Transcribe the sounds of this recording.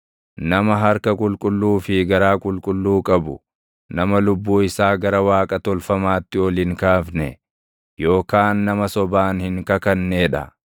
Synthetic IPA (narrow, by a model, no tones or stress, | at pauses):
nɐmɐɦɐɾkɐkʼʊlkʼʊlːuːfɪɡɐɾaːkʼʊlkʼʊlːuːkʼɐbʊ | nɐmɐlʊbːuːɪsaːɡɐɾɐwaːkʼɐt̪ɔlfɐmaːt̪ːɪɔlɪŋkaːfnɛ̰ | jo̞ːkaːnːɐmɐsɔbaːnhɪŋkɐkɐnːeːᶑɐ̰